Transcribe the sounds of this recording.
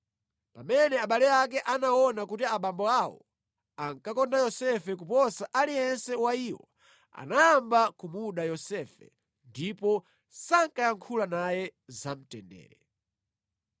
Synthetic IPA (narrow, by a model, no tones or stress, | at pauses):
pamɛnɛaɓalɛak̬ɛʔanaɔnakutiaɓambɔawɔ̰ | aŋkakɔndajɔsɛfɛkupɔsaʔaliɛnsɛwaiːwɔ̰ | a̰najambakumuɗajɔsɛfɛ̰ | ndipɔ | saŋkajaŋkʰulanajɛzam̩tɛndɛ̰ːɾɛ